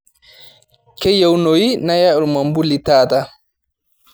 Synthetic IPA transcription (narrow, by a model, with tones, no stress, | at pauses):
kɛ˦ja˦wnojina˦ja˦ɔ˨lma˨mbu˦litaːta